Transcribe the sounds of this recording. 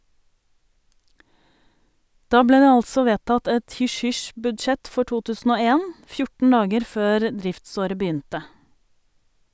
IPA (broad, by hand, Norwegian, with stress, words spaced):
ˈdɑː ˈbleː ˈdeː ˈɑlsɔ ˈʋeːtɑt ˈɛt ˌhʏʃˈhʏʃbʉdˌʃɛt ˈfɔ ˈʈuː ˈtʉːsn̩ ˈoː ˈeːn ˈfjʊʈɳ̩ ˈɑːɡəɾ ˈføːɾ ˈdɾɪftˌsoːɾə bəˈyːntə